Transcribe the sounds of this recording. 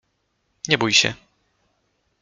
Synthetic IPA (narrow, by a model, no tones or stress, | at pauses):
ɲɛbujɕɛ̰